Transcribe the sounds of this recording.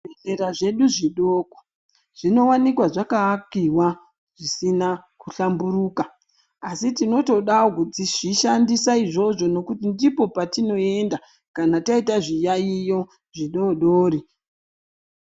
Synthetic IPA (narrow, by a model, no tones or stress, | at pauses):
eɮe̞ɾaʐe̞ɗuʐiɗoːko̥ | ʐ̥ino̞wanikwaʐakaːkiwa | ʐ̥isinakuɬambuɾuːkaː | sitino̞to̞ɗawokutiʐiʃandisaiʐo̞ʐo̞no̞kutindipo̞patino̞e̞nda | kanataitaʐijaijo̞ | ʐiɗo̞ɗoːɾi